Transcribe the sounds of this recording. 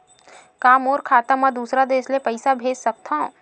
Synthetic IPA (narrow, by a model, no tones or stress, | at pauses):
kaːmɔːɾkʰaːt̪amə̃d̪uːsɾad̪eːslepəɪsabʱeːd͡ʒsɐk̚t̪aõ